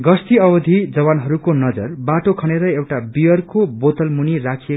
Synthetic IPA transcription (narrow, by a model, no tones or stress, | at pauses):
ɡʌst̪iʌwʌd̪ʱid͡zʌwanɦʌɾukonʌd͡zʌrbaʈokʰʌñeɾʌewʈabijʌrkobot̪ʌlmunirakʰie